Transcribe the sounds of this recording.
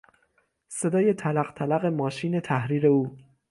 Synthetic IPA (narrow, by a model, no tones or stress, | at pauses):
se̞d̪ɒːje̞t̪ʰælæɣt̪ʰælæɣe̞mɒːʃiːne̞t̪ʰæhɾiːɾe̞uː